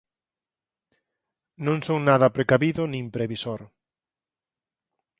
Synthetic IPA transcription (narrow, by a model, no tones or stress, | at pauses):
nõŋsoŋnaðɐpɾekaβiðʊnĩŋpɾeβisoɾ